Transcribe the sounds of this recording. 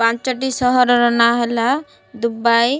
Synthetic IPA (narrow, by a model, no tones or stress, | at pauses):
pãnt͡ʃɔʈisɔɦɔɾɔɾɔnaɦɛla | d̪ubaj